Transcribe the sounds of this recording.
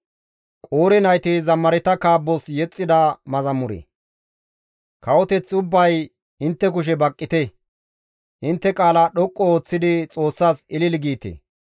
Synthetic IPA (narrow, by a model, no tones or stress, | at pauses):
kʼoːɾɛnɐjt̪izɐmːɐɾɛt̪ɐkaːbːɔsjɛt͡sʼːɪd̪ɐmɐzɐmːʊɾɛ̰ | kɐwɔt̪ɛt͡sʊbːɐj | ɪnt̪ːɛk̬ʊʃ̬ɛbɐkʼːɪt̪ɛ | ʔɪnt̪ːɛkʼaːlaɗɔkʼːɔoːt͡sːɪd̪ɪt͡sʼo̞ːsːaːsɪlɪlɡiːt̪ḛ